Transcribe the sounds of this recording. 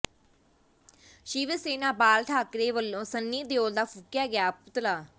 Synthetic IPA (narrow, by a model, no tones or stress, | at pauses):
ʃiːʋəseːnaːbaːlʈʰaːkɾeːʋəlːõːsənːiːd̪eoːld̪aːpʰukjaːɡɪjaːpʊt̪laː